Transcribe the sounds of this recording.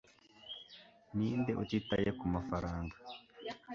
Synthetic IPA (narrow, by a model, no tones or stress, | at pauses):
niːndeʔutitajekumafaɾaːŋɡḁ